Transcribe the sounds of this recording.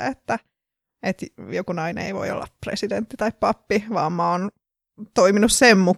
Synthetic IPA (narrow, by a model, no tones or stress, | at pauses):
et̪ːæ | et̪jokunɑinḛiʋo̰io̰lːɑ̰pprḛsident̪ːit̪ɑippɑpːiʋɑ̰ːmmɑon | t̪oiminussemmu